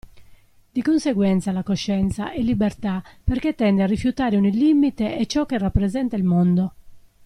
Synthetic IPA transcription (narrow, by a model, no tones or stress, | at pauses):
d̪ikonseɡwɛnt̪salakoʃːɛnt̪sa̰ʔɛlːibert̪aperk̟et̪ːɛnd̪earːifjut̪aːɾeunilːimːit̪ɛɛt͡ʃːɔkːerːapːɾɛzɛnt̪ailmond̪o